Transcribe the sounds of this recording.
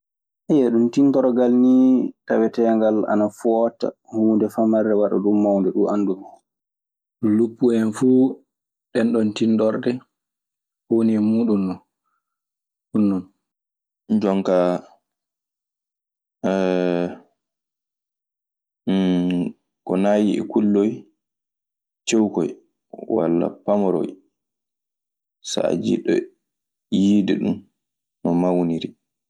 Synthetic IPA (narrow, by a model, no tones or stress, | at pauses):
ajɛɗuntintɔɾɡalnitawɛtɛːŋɡala̰nafɔːta̰ | huːndɛfamaɾdɛwaɗa̰ɗumːawndɛɗuʔanːdum | lupːuɛnfu | ɗɛnɗɔntindɔɾdɛ | honimuːɗunːɔ | hunːɔn | ɲd͡ʒɔŋka | kɔnaːjiɛ̰kulːɔj | t͡ʃewkɔj | wa̰lːa̰pamɔɾɔ̰j | sa̰d͡ʒḭɗɔ̰ | jidɛɗun | nɔmawniɾi